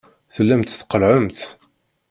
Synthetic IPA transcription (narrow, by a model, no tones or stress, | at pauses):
θəlːæmt̪θqəlʕəmt̪